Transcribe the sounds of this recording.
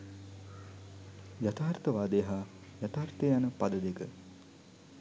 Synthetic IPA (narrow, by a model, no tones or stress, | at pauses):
jat̪aːrt̪əʋaːd̪ejɦaː | jat̪aːɾt̪ejanəpad̪əd̪ekə